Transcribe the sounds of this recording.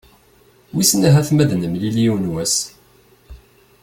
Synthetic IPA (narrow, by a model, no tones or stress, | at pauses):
wisnæɦæθmæðnəmliljiwnwæs